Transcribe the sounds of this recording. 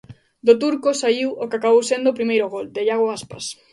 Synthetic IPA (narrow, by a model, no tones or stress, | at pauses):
d̪ʊt̪̬uɾkosaiwokɪakaβowsend̪oːpɾimejɾoɣold̪ɪʎaɣoaspas